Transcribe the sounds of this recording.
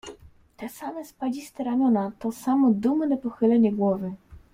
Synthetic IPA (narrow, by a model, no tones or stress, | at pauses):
t̪ɛsamɛspalist̪ɛɾamʲjɔnat̪ɔsamɔd̪umnɛpɔxɘlɛɲɛɡwɔvɘ